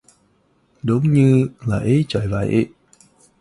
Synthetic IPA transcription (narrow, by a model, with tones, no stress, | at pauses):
ɗə˨˦wŋ͡mɲɨ˧laː˨˩ʔə˨˦t͡ɕəː˧˩jva̰ː˧˩jʔḭ˧˨